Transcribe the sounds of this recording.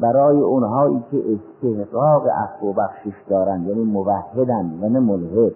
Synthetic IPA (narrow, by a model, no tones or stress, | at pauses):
bæɾɒːjeʔonɦɒːʔiːkʲʰeʔest̪ʰehɡɒːɣḛʔæ̰fːobæxʃeʃd̪ɒːɾænd̪jæːniːmovæhːed̪ænd̪vænemolɦed̪